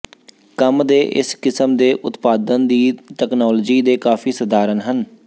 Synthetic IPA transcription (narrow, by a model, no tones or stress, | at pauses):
kəmd̪eːʔɪ̰skɪsəmd̪eːʔʊt̪paːd̪ənd̪iːʈ̪ɛːknaːld͡ʒiːd̪eːkaːfʰiːsəd̪ʱaːɾənɦən